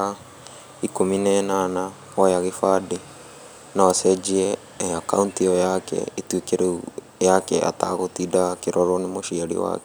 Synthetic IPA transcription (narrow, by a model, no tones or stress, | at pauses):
a | ikominɛnana | ɔjaɣefade | nawasɛd͡ʒiɛ | akauntiɔjakɛ̰etwekeɾeu | jakɛʔa̰taɣotidakeɾʔɔɾonemoʃiaɾḭwa̰kɛ